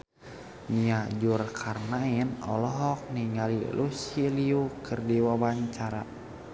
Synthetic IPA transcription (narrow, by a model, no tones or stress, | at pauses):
niad͡ʒurkʰarnainɔlɔɦɔk̚niŋalilʔusiliukʰɨrdiwawaɲt͡ʃaɾa̰